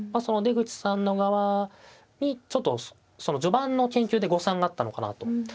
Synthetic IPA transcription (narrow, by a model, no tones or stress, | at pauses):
maso̞no̞d̪e̞ɡɯ̟t͡ɕi̥sãnːo̞ɡaβa | ɲ̟it͡ɕo̞t̪ːo̞ | so̞no̞d͡ʑo̞bãnːo̞kẽ̞ŋkʲɨːd̪e̞ɡo̞sãŋɡaːt̪ːano̞kana̰t̪o̞